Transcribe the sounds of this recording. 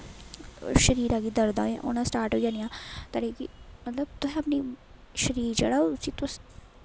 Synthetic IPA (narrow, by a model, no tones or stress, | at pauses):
ʃəɾiːɾaːɡid̪əɾd̪ã̰ːʔo̰ːnãːsʈaːɾʈɦoːid͡ʒãːnijãːt̪aɽiːkḭmət̪ləbt̪ʊɦɛ̃əpniːʃəɾiːɾd͡ʒḛːɽaːoʊsiːt̪ʊs